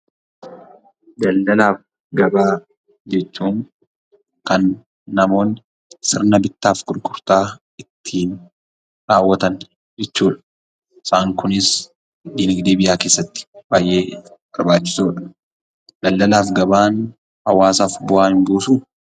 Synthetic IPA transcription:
d̪ɐlːɐlaːf | ɡɐbaː | d͡ʒɛt͡ʃːuːŋ | kɐnː | ɐmo̞ːn | sɪɾnɐbɪt̪ːaːfkʼʊɾkʼʊɾt̪aː | ɪt̪ʰːiːn | ɾaːwːɐt̪ɐn | d͡ʒɛt͡ʃːuːᶑɐ̥ | ɪsaːŋkʊnɪs | d̪iːnɪɡd̪eːbɪjaːke̞ːsːɐt̪ːɪ̥baːjʔe̞ːb̥ɐɾbaːt͡ʃːɪ̥suːᶑɐ̥ | d̪̥ɐlːɐlaːfɡɐbaːn | hɐwaːsaːfbʊʔaːhɪmbuːsuː

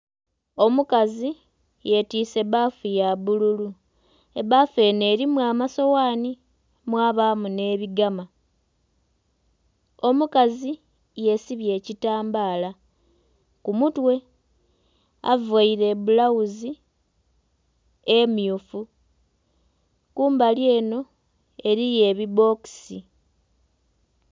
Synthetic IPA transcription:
o̞mukazi | je̞tiːse̞βafujaβululu | e̞βafe̞neːɾimwaːmaso̞waːni | mwaːβamune̞βiɡama | o̞mukazi | je̞siβje̞ːcitaːmbaːla | kumutwe̞ | a̰vaiɾe̞bulawuzi | emjufu | kuːmbalje̞ːno̞ | e̞ɾije̞ːβibo̞ksi

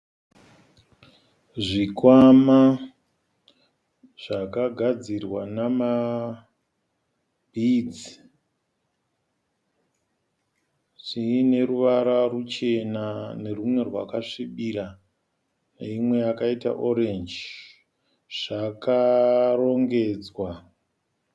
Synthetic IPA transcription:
ʐikwama | ʐ̥akaɡʱad͡zirwa̰nama | bʱid͡zi | ʐ̥ine̞ɾuʋaɾarut͡ʃe̞nane̞rumwe̞rwa̰kaʂiɓiɾa | neimwe̞jakaita̰ʔoɾend͡ʒ | ʐ̥akaro̞ŋɡe̞ːd͡zwa

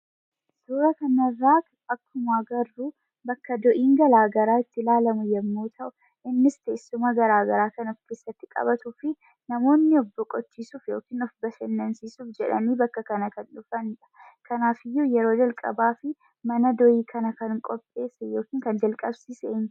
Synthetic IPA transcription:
suːɾɐkɐnɐrːaːk | ɐkːʊmaːɡɐrːu | bɐkːɐd̪ɔʔiːŋɡɐlaːɡɐɾaːɪt̪ːɪlaːlɐmʊjɛmːuːt̪ʰɐʔʊ | ʔɪnːɪst̪eːsʊmɐɡɐɾaːɡɐɾaːkɐnɔfke̞ːsːɐt̪ːɪkʼɐ̰bɐt̪uːfɪ | nɐmo̞ːnːɪɔbːɔkʼɔt͡ʃːiːsuːfjo̞ːkiːnɔfbɐʃɛnːɐnsiːsuːfd͡ʒɛᶑɐ̰niːbɐkːɐkɐnɐkɐnᶑʊfɐnᶑɐ̥kʰɐnaːfɪjːoːjɛɾoːd͡ʒɐlkʼɐ̰baːfɪ | mɐnɐd̪ɔjiːkʰɐnɐkɐŋkʼɔpʼːe̞ːsɛjoːkiːŋkɐnd͡ʒɐlkʼɐbsiːsɛɪn

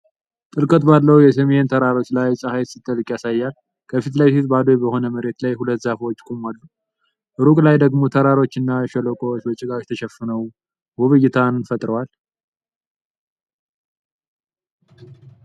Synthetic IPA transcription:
t̪ʼɨlkʼət̪balːəwjɛsəmeent̪ʰəɾaɾo̞t͡ʃːlajsʼəhaj̪sit̪ʼːəlɨkʼjasajːal | kʰəfit̪lajfit̪bado̞jbəho̞nəməɾe̞t̪lajhulət̪ːzafəwot͡ʃːkʼomwalːu | ʔɨɾukʼlajd̪əɡmo̞t̪ʰəɾaɾo̞t͡ʃːɨnːaʃɛlokʼowt͡ʃːbət͡ʃʼɪɡat̪ʰəʃɛfːɨnəw | wʊβɨjːɪt̪ʰanɨnfət̪ʼɾəwal

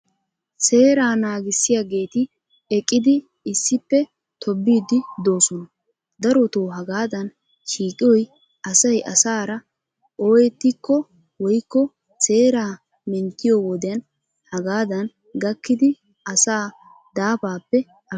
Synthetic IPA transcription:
se̞ːɾaːnaːɡɪsːɪjaɡe̞ːt̪ɪ | ɛkʼːɪd̪ɪ | ɪsːɪpːɛ | t̪ʰɔbːiːd̪ɪd̪o̞ːsɔnɐ | d̪ɐɾɔt̪oːɦɐɡaːd̪ɐn | ʃiːkʼɪwɔj | ɐsɐjɐ̰saːɾɐ | ʔoːjɛt̪ːɪkːɔ | wɔjkːɔ | se̞ːɾaː | mɛnt̪ːɪjɔwɔd̪ɛjɐn | hɐɡaːd̪ɐn | ɡɐkːɪd̪ɪ | ɐsaː | d̪aːfaːpːɛ | ɐ

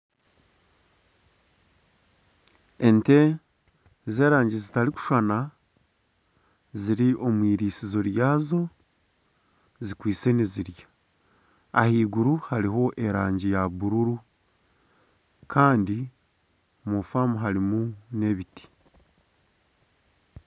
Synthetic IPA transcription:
e̞nte̞ | ze̞ːɾaːɲɟizitaɾiku̥ʃana | ziɾiʔo̞mwiːɾiːsizo̞ɾjaːzo̞ | zikwiːse̞niziɾja | ahiːɡuɾuhaɾiɦo̞ʔe̞ɾaːɲɟijaβuɾuɾu | kʰaːndi | mufamuɦaɾimune̞βiti̥

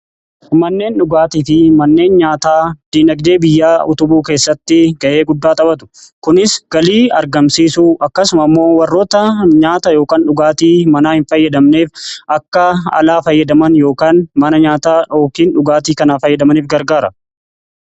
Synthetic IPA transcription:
mɐnːe̞ːnᶑʊɡaːt̪iːfɪmɐnːe̞ːnɲaːt̪aːd̪̥iːnɐɡd̪e̞ːbɪjːaːʊt̪ʊbuːke̞ːsːɐt̪ːɪɡɐʔe̞ːɡʊd̪ːaːt̪ʼɐbɐt̪ʊ̥kʊnɪsɡ̥ɐliːɐɾɡɐmsiːsuːʔɐkːɐsʊmɐmːo̞ːwɐrːoːt̪ɐɲaːt̪ɐjoːkaːnᶑʊɡaːt̪iːmɐnaːhɪnfɐjːɐd̪ɐmneːfʔɐkːɐɐ̰laːfɐjːɐd̪ɐmɐnjo̞ːkaːnmɐnɐɲaːt̪aːo̞ːkiːnᶑʊɡaːt̪iːkɐnafɐjːɐd̪ɐmɐniːfɡɐɾɡaːɾɐ

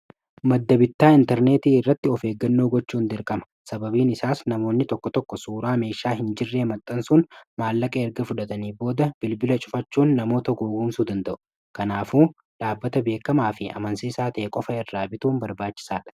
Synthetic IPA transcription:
mɐd̪ːɐbɪt̪ːaːɪnt̪ɛɾne̞ːt̪iːɪrːɐt̪ːɪɔfe̞ːɡːɐnːo̞ːɡɔt͡ʃːuːnd̪ɪɾkʼɐmɐ̥ | sɐbɐbiːnɪsaːsnɐmo̞ːnːɪt̪ɔkːɔt̪ɔkːɔsuːɾaːme̞ːʃːaːɦɪnd͡ʒɪrːeːmɐt̪ʼːɐnsunmaːlːɐkʼɐɛɾɡɐfʊᶑɐt̪ɐniːbo̞ːd̪ɐb̥ɪlbɪlɐt͡ʃʼʊfɐt͡ʃːuːnːɐmo̞ːt̪ɐɡoːɡʊmsuːd̪ɐnd̪ɐʔʊ̥ | kɐnaːfuː | ᶑaːbːɐt̪ɐbe̞ːkːɐmaːfɪɐ̰mɐnsiːsaːt̪ɐʔɛkʼɔfɐɪrːaːbɪt̪uːmbɐɾbaːt͡ʃːɪ̥saːᶑɐ̥

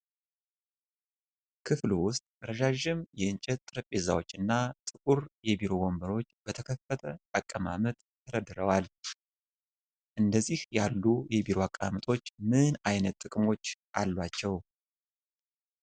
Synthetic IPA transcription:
kʰɨfluwʊst̪ʼɾəʃaʒɪmjɛɨnt͡ʃʼɛt̪ːʼɨɾɨpʼːezawo̞t͡ʃːɨnːat̪ʼɨkʼuɾjɛbiɾo̞wombəɾo̞t͡ʃːbət̪ʰəkʰəfːət̪ʰəʔakʼːəma̰mət̪ʼtʰəɾəd̪ɨɾəwal | ʔɨnd̪əzːihjalːujɛbiɾo̞akʼːamət̪ʼo̞t͡ʃːmɨnajnət̪ːʼɨkʼmo̞t͡ʃːʔalːwat͡ʃːɛw

